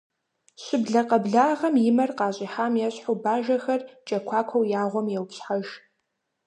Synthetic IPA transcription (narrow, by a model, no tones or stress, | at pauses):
ɕɪbɮɐqɐbɮaːʁɐmjɪmɐrqɑːɕʼiħaːmjɛɕħʊbaːʒɐxɐrt͡ʃʼɐkʷʰaːkʷʰɐwjaːʁʷɔmjɛwpɕħaʒ